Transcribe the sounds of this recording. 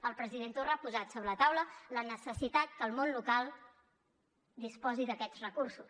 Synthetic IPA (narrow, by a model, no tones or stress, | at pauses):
əlˠpɾəziðent̪orəapuzat̪soβɾələt̪awlələnəsəsit̪at̪̚kəlˠmonlukalˠ | d̪ispɔziðəkɛd͡zrəkursus